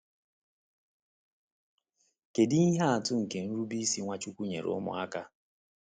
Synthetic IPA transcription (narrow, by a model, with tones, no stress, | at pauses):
ke˨dɪ˦i˦ɦa˦a˨tʊ˦ŋ̩˨ke˨n̩˦ɾu˦bi˦si˦ŋʷa˦t͡ʃu˦kʷu˦ɲḛ˨ɾʊ̰˦mʊ̰˨a˦ka˦